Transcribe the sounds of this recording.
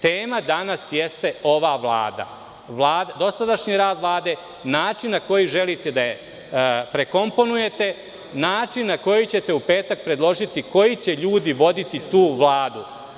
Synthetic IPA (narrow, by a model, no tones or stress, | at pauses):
t̪eːmad̪anasjest̪e̞o̞ʋaʋlˠa̰ːd̪a̰ | ʋlˠaːd̪ad̪o̞sad̪aʃɲiɾaːd̪ʋlˠaːd̪e̞ | naːt͡ʂinːako̞jiʒelit̪e̞d̪aje | pɾeko̞mpo̞nuje̞t̪e̞ | naːt͡ʂinːako̞jit͡ɕet̪e̞upe̞ːt̪ak̚pɾe̞d̪lˠo̞ʒit̪iko̞jit͡ɕe̞ʎuːd̪iʋo̞d̪it̪it̪uːʋlaːd̪u